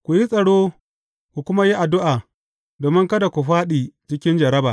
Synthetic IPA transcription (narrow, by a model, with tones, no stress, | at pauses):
kʷu˨ji˦sʼɐ˨ɽoː˦ | kʷu˨kʷʊ˦ma˦ji˦ʔa˨dʊ˦ʔaː˨ | doː˨mɪ˦ŋkɐ˦da˨kʷu˨ɸaː˦ɗiː˨t͡ʃɪ˦kʲɪ˦nd͡ʒɐ˨ɾɐ˦baː˨ʔ